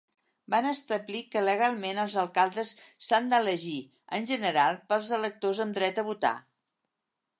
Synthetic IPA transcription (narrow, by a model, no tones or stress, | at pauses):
banəst̪əβlikələɣ̞alˠmenəlˠzəlˠkalˠd̪əsːand̪ələʒi | ənʲʒənəɾalˠpəlˠzələk̚t̪ozəmd̪ɾɛt̪əβut̪a̰